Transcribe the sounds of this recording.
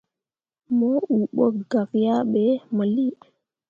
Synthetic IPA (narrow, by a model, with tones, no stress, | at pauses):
mo˦u˨ɓo˦k̚ɡa˨kja˦ɓe˨˦mə˨li˦